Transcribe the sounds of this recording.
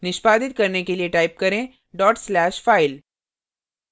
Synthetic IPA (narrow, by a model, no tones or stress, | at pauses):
niɕpad̪it̪kəɾɳjekelieʈaip̚kəɾẽ | ɖɔʈslæɕfail